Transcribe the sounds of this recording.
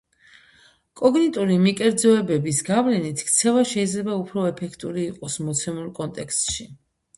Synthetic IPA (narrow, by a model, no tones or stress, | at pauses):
kʼɔɡnit̪ʼuɾimikʼɛɾd̪zɔɛbɛbisɡavlɛnit̪ʰkʰt̪sʰɛvaʃɛid̪zlɛbaupʰɾɔɛpʰɛkʰt̪ʼuɾiːqʼɔsmɔt̪sʰɛmulˠkʼɔnt̪ʼɛkst̪ʼʃi